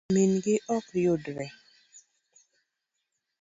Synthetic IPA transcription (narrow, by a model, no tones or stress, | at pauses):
minɡɪʔɔkjʊdɾɛ